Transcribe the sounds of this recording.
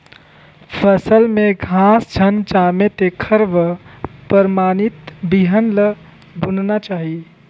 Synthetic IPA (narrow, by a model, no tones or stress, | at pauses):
pʰəsəlmẽɡʱãːsd͡ʒʰʱənd͡ʒaːmet̪ekʰəɾbpəɾmaːnit̪biɦənlə | bʱʊnnat͡ʃaːɦi